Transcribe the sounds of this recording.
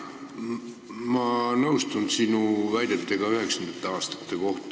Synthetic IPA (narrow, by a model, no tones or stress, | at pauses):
mɑnɤuwst̪unsinuvæjd̪̥et̪ːˑeɡ̥ɑyhe̞ksɑnd̪et̪ːˑeɑːst̪ɑ̥t̪ːˑe̞ko̞ht̪